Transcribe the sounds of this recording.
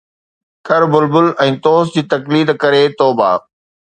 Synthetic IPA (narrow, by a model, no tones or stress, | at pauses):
kɐɾbʊlbʊlɛ̃ːt̪oːsd͡ʑiːt̪ɐkliːd̪kɐɾet̪oːba̰ː